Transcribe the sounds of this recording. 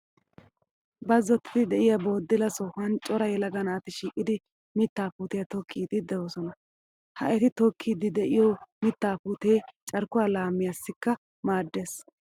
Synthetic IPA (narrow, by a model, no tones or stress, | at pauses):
bɐzːɔt̪ːɪ̥t̪ɪd̪ɛʔɪjaboːd̪ːɪlɐsɔhɐnt͡ʃʼɔɾɐjɛlɐɡɐnaːt̪ɪʃiːkʼːɪd̪ɪ | mɪt̪ːaːpuːt̪ɛjɐt̪ɔkʰːiːd̪ɪd̪ɛwosɔnɐ | hɐ̰ʔɛt̪ɪt̪ɔkʰːiːd̪ɪd̪ɛʔɪjɔmɪt̪ːaːpuːt̪ejt͡ʃʼɐɾkʊwaːlaːmːɪjasːɪkːɐ | maːd̪ːeːs